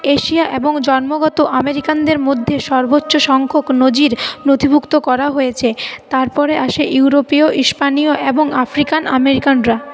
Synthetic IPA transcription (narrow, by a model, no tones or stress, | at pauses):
eʃiaʔeboŋd͡ʑɔnmoɡɔt̪oʔameɾikand̪eɾmod̪ʱːeʃɔɾbotːɕoʃɔŋkʰoknod͡ʑiɾnot̪ʰibʱukt̪okɔɾaɦojet͡ɕʰet̪aɾpɔɾeʔaʃeʔjuuɾopioʔiʃpanioʔeboŋafɾikanʔa̰meɾikanɾa